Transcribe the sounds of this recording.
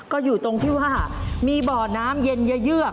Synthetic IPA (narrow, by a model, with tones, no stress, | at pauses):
kɔː˥˩juː˨˩t̪o˧ŋt̪ʰiː˥˩waː˥˩miː˧bɔː˨˩naː˦˥mje˧njɯ˦˥jɯ˥˩ək̚